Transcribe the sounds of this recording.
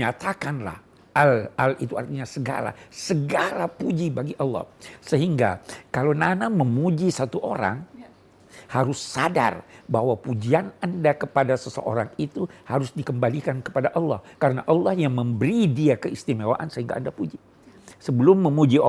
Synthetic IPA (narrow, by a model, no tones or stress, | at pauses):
at̪akanla̰h | alalḭt̪ua̰rt̪iɲasəɡa̰la̰səɡalapud͡ʒibaɡiʔɑlːɔ̰hsəɦiŋɡa̰kalonanaməmud͡ʒisat̪uʔoɾa̰ŋ | haɾʊsːada̰rbaɦwapud͡ʒianandakəpadasəsə̰ʔo̰ɾaŋit̪uhaɾʊsdikəmbalikankə̥padaʔɑlːɑ̰hkaɾənaʔɑlːɑhjaŋməmbəɾidiakəist̪imawa̰ʔansəɦiŋɡa̰ʔandapud͡ʒi | səbəlʊmːəmud͡ʒi